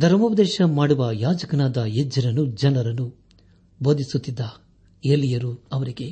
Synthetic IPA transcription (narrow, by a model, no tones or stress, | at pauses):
d̪ʱɐɾɐmuʋɐd̪ɛːʃɐmaːɽuʋɐjaːd͡ʒɐkɐnaːd̪ɐjed͡ʒːɐɾɐnud͡ʒɐnɐɾɐnːu | boːd̪isut̪ːid̪ːɐ | elːijɐɾuɐʋɐɾiɡe̞